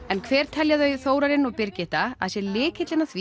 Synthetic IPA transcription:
ɛnkʰvɛːɾ̥t̪ʰɛljaðœɥθoːwɾaɾɪnɔɣpɪɾcɪht̪aa̰ðsjɛlɪːkhɪt̪lɪnaθvi

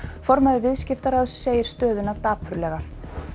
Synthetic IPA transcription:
fɔɾmaðʏɾvɪðscɪft̪aɾaðsːeːjɪɾ̥st̪œːðʏnat̪aːpʰʏɾlɛːɣḁ

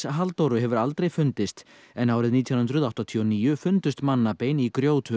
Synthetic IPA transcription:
sɦalt̪owɾʏɦɛvʏɾalt̪ɾejfʏnt̪ɪst̪ | ɛnaːwɾɪðniːt̪ʰjɔnhʏnt̪ɾʏðaht̪at̪ʰiɔniːjʏfʏnt̪ʏst̪manːapejnikɾjoːwt̪ʰʏ

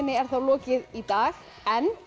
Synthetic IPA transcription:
nːɪɛɾ̥θawlɔːcɪðit̪aːɣ | ɛn

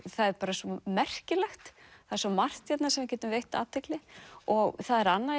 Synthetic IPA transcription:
θaðɛɾpaːɾasɔmɛr̥cɪlɛxt̪θaðɾswɔmar̥t̪jɛt̪nasɛmvɪɾcɛːt̪ʏmvejht̪aːt̪ʰɛklɪɔɣθaðɛɾanːa

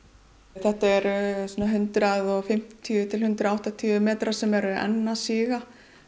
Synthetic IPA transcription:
θɛht̪aɛɾsɔːnaɦʏnt̪ɾaðɔɣfɪm̥t̪ʰiʏt̪ʰɪlhʏnt̪ɾaawht̪at̪ʰiːʏmɛːt̪ɾasɛmɛɾʏɛ̰nːasiːɣa

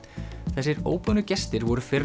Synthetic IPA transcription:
θɛsːɪɾo̰ːwpœnʏcɛst̪ɪɾvɔɾʏfɪr

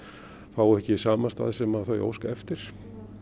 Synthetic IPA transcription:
faːwɛhcɪsaːmast̪a̰ːðɪsɛmaðθœɥjo̰ːwskaɛft̪ɪɾ̥

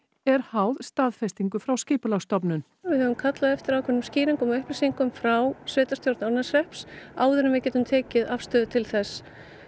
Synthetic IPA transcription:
ɛɾ̥haːwðst̪aːðfɛst̪iŋkʏfɾawscɪːpʏlaɣst̪ɔpnʏn | vɪðhœvʏmkʰat̪laðɛft̪ɪɾawkʰvɛnːʏmsciːɾiŋkʏmœhplɪsiŋkʏmfɾawsvɪːt̪ast̪jowɾt̪naɾnasrɛhpsaːwðʏɾɪmvɪðcɛːt̪ʏmt̪ʰɛːcɪðafst̪œːðʏt̪ʰɪlθɛs

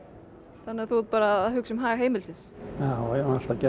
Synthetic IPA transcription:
θanːɪaɾθut̪̚paːɾaððɦʏksɛmɦaːɣaɦeːjmɪlsɪnsjaːwjal̥t̪acɛ

